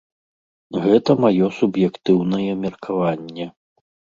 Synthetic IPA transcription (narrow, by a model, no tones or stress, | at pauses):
ɣɛt̪ɐmajɔsubjɛkt̪ɨwnɐjɛmʲɛrkʰavanʲːɛ